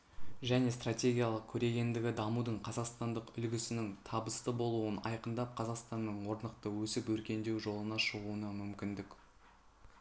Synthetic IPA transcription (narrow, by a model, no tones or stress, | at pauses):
ʒæne̞st̪ratʲe̞ɡʲijalˠəq̚kʲʰɵɾe̞ɡʲe̞nd̪ɪɡʲɪd̪ɑmud̪əɴqʰɑzɑqst̪ɑnd̪əqʏlɡʲɪsɪnɪŋt̪ʰɑbəst̪əbo̞lˠuənɑ̰jqənd̪ɑp̚qʰɑzɑqst̪ɑnːəɴwo̞ɾnəqt̪əwɵsɪpwɵɾkʲe̞nd̪e̞wʒo̞lˠənɑʃəʁuənɑmʏmkʲɪnd̪ɪk